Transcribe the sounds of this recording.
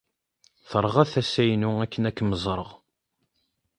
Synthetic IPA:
θəɾˤʁæθæsæjnuækːənækːməzˤɾˤəʁ

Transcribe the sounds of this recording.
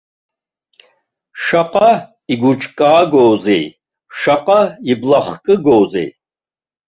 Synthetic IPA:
ʃaqʼɑ | iɡut͡ʃʼkʼaːɡɔːzɛ̰j | ʃaqʼaiblaχkʼɨɡɔːzɛ̰j

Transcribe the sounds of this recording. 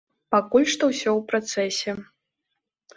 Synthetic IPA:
pakulʲʂt̪ɔwsʲɔwpɾat̪sɛsʲɛ

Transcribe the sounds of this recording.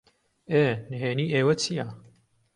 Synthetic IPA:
eːnɨɦeːniːʔeːwɐt͡sʰijaː

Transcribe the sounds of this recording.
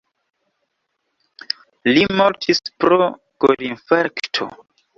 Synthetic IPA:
limoɾtʰispɾo | ɡ̥odinfeɾktʰo̰

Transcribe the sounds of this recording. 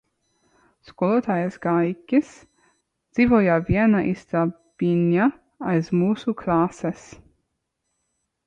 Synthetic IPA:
skɔlɔt̪ʰajɛsɡajkis | z̥ivɔjavjɛɾnaʔist̪a | b̥inja | aizmuːsukʰlaːsɛs

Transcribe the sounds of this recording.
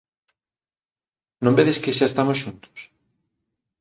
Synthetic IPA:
nõmbeðeskɪʃaest̪amosʃunt̪ʊ̥s

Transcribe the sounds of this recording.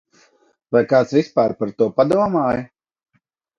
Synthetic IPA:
vajkaːt̪svispaːɾpaɾt̪uɔpad̪uɔmaːj

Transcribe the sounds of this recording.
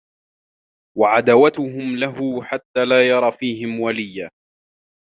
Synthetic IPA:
waʕad̪awat̪ʊɦʊmlaɦʊħat̪ːaːlaːjɑɾˤɑːfiːɦɪmwalɪjːaː

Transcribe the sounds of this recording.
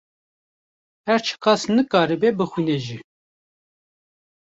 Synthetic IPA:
hæɾt͡ʃʰə̥kɑsnɨkɑːɾɨbebɨxwineʒi

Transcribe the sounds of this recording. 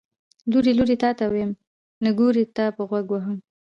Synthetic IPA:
luɾiluɾit̪ɑt̪awejm | nəɡoɾet̪apəɣwaɡwaɦəm

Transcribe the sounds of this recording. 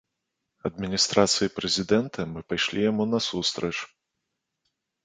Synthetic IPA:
ɐd̪mʲinʲist̪ɾat̪sɨjipɾɛzʲid̪ɛnt̪ʰɐmɨpajʂlʲijamunɐsust̪ɾɐt͡ʂ

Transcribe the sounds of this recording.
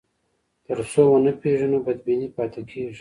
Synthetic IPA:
t̪əɾsowənəpeʐənobad̪̚binipɑt̪ekʰeʐi

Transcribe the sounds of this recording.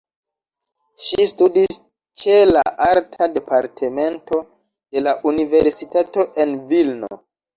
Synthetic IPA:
ʃistudis | t͡ʃe̞la̰ʔaɾtʰade̞paɾtʰeme̞nto̞ | d̥e̞laʔunive̞ɾsitato̞ʔe̞nvilno̰

